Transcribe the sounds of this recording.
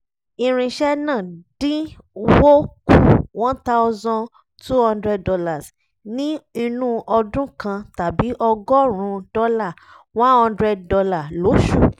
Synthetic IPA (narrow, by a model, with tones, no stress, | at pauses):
i˧ɾ̃ĩ˧ʃɛ˦nãː˦˨dĩ˦ | wo˦ku˦˨wã˦ta˦ʊ˦zɔ̃˧ | tu˦hã˧ndɾɛ˧ddɔ˧la˦˨s | nĩ˦i˧nũ˦ʔɔ˧dũ˦kã˧ta˨bi˨˦ʔɔ˧ɡɔ˦ɾ̃ũ˨˧dɔ˦la˦˨ | w̃ã˦hɔ̃˧ndɾɛ˧ddɔ˧la˦˨lo˨˦ʃu˦˨